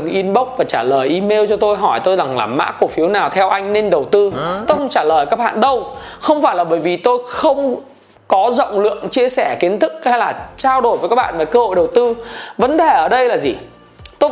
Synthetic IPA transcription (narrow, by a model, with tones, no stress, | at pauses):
ŋʔi˧nɓə˦˥wk͡p̚vaː˨˩t͡ɕaː˧˩ləː˨˩jʔi˧me˧wt͡ɕɔ˧t̪o˧jɦɔ˧˩jt̪o˧jza˨˩ŋlaː˨˩ma̰ː˧˥ku˧˩fi˨˦əwnaː˨˩wt̪ʰɛ˧wʔa˧jŋ̟ne˧nɗə˨˩wt̪ɨ˧t̪o˧jxə˧ŋ͡mt͡ɕaː˧˩ləː˨˩jkaː˦˥k̚ɓa̰ː˧˨nɗə˧wxə˧wŋ͡mfaː˧˩jlaː˨˩ɓəː˧˩jvi˨˩t̪o˧jxə˧wŋ͡m | kɔ˨˦zo̰˧˨wŋ͡mlɨ̰˧˨əŋt͡ɕi˧əsɛ˧˩ki˨˦ənt̪ʰɨ˦˥k̚ha˧jlaː˨˩t͡ɕaː˧wɗo˨˩jvə˨˦jkaː˦˥ɓa̰ː˧˨nvaː˨˩kəː˧ho̰˧˨jɗə˨˩wt̪ɨ˧və˨˦nɗe˨˩ʔəː˧˩ɗə˧jlaː˨˩zi˨˩ | t̪o˧